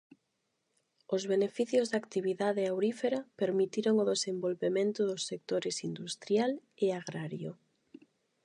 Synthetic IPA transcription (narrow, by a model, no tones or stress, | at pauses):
ozβenefiθjozðakt̪iβ̞iðaðeawɾifeɾapeɾmit̪iɾoŋoðesẽmbolβemẽnt̪ʊðosːek̚t̪oɾesind̪ust̪ɾjaleaɣɾaɾjo